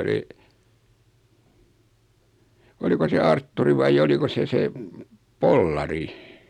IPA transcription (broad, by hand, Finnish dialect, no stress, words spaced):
oli oliko se ɑrtːuri ʋɑij oliko se se polːɑri